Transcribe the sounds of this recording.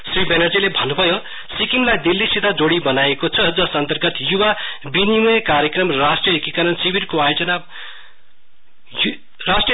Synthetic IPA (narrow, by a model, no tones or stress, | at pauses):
sripʰenʌrd͡zilebʱʌnːubʱʌjo | sikiŋlajd̪ilːisit̪ʰad͡zoɽibʌnajekot͡sʰʌd͡zʌsʌnt̪ʌrɡʌt̪juwabinimujkaɾjekrʌmrasʈriʌekikʌɾʌnsibʱirkoajod͡zʌnab | rasʈri